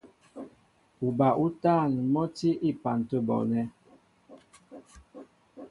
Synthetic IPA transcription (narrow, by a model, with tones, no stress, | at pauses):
u˨ba˨ʔu˦taː˦˨n˨mɔ˦ti˦ʔi˦˨pa˨n˨tə˦bɔ̰˨nɛ˦